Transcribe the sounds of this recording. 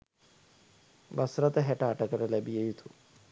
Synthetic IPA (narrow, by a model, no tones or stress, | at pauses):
bɐsɾɐt̪ɐɦeʈaːʈɐkɐɾɐlɐbijɐjut̪ʰu